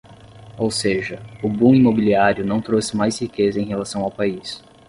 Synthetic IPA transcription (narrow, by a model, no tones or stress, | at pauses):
owseʒɐʊbũimobiliaɾjʊnɐ̃w̃t̪ɾosɪ̥majshikezɐẽj̃ɦelasɐ̃w̃awpais